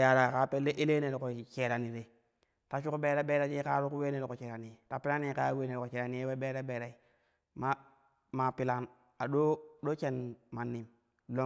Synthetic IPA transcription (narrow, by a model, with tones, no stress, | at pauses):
ja˨ɾa˨ka˦pe˦lːe˦ʔe˦le˦ne˨lko˨t͡ʃe˨ɾa˨ni˨ɾe˨ | ta˨˦t͡ʃu˦ku˦be˦ɾa˦be˦ɾa˦t͡ʃi˦ka˦ɾu˦ku˦we˦ne˨lko˨t͡ʃe˨ɾa˨ni˨e˨ta˨pi˦la˦ni˦ka˦we˦ne˨lko˨t͡ʃe˨ɾa˨ni˦je˦we˦be˦ɾe˦be˨ɾa˨i˨ | ma˦ | ma˨pi˦la˦n | a˨ɗo˦do˦t͡ʃe˦nma˨nːi˨m˨ | lo˦